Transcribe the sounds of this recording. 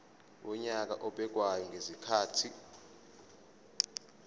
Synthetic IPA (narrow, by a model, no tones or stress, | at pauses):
wʔɔɲak̬ʼa̰ʔɔɓɛk̬ʼwajɔŋɡʱezikʰaːtʰi